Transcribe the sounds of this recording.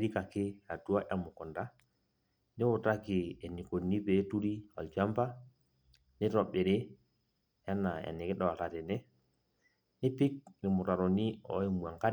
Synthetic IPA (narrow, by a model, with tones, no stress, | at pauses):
ɾi˦ka˨ke˦a˨tu˦wa˦ʔa˨mu˨kɔ˨nda˦ | ni˦wu˨ta˦ki˨e˨ni˨ko˨ni˦pe˨˦tu˦ɾi˦a̰˨ld͡ʒa˦mpa˦ | ni˦to˨ɓe˨ɾe˦ | ja˦na˨a̰˨ni˨ke˦da˦˨wa˨ta˨te˨nɛ˦ | ni˦pi˦k̚ni˨mu˨ta˨ɾo˨ni˦ɔ̰˦i˦mu˨a˨ŋka˦